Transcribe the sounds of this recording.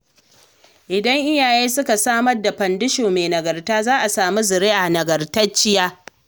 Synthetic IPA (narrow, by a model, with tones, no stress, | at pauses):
ʔɪ˨dɐ˦ŋʔɪ˦jaː˨jeː˦sʊ˦ka˨saː˦mɐ˦rda˨ɸɐ˨ndɪ˦ʃoː˨meː˨nɐ˨ɡɐ˨rtaː˦zaː˦ʔa˨saː˨mu˦zɪ˨ɾe˦ʔa˨nɐ˨ɡɐ˨rtɐ˦t͡ʃːɪ˦jaː˦